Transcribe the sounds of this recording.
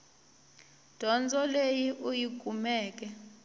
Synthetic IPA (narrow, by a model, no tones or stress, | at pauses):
d̥ʱɔnd͡zʱɔlejiʔujiɡ̬ʱʼumɛːk̬ʼɛ